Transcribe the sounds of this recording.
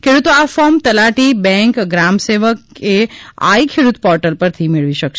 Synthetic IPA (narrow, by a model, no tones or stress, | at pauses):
kʰeɽut̪oafɔmt̪əlaʈibɛ̃ŋkɡɾamseʋəkea̰ikʰeɽut̪pɔɾʈəlpəɾt̪ʰimɪɭʋiʃəkʃ